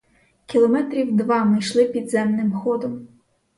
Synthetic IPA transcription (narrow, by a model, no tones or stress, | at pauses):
kʲilˠɔmɛt̪ɾʲiwd̪ʋɑmɪjʃlˠɪpʲid̪zɛmnɪmxɔd̪ɔm